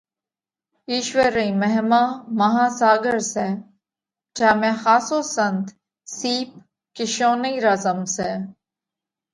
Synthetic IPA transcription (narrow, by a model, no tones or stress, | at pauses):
iːʃwəɾəimɛɦmãːmɐɦãːsaːɡəɾse | t͡ʃaːmẽxaːsoːsɐnt̪ | siːp̚ | kɪʃoːnəiɾɐzəmseː